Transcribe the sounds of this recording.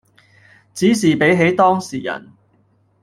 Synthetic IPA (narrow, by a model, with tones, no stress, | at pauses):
t͡siː˨˥s̬iː˨˩pe˨˥jɦe˨˥jt̪ɔː˥ŋsiː˨˩jɐ̰˨˩n